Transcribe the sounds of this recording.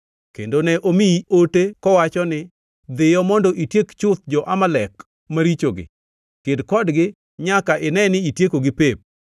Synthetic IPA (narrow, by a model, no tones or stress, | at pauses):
kḛndonɛʔomiiotekɔwat͡ʃɔnɪ | d̪ɪjɔmɔndɔʔitjekt͡ʃʊt̪̚d͡ʒɔʔamalɛk | maɾit͡ʃoɡɪ̰ | kɪdkɔdɡɪ | ɲakaʔɪnɛnɪitjekoɡɪpep̚